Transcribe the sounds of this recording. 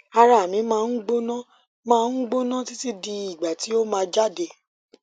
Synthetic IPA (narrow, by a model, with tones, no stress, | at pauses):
a˧ɾa˨mĩ˨˦mãː˦˧n̩˦ɡ͡bo˦nã˦ | mãː˦˧n̩˦ɡ͡bo˦nã˦ti˦ti˦di˧i˨ɡ͡ba˨ti˨˦o˦mãː˧˦d͡ʒa˦˨de˨